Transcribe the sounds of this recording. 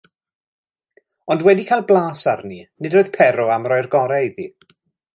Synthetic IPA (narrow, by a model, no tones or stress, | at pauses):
ɔndwɛdikʰajlˠblˠaːsarninɪdoːɨð̥pʰɛɾɔamrɔɨrɡɔɾɛði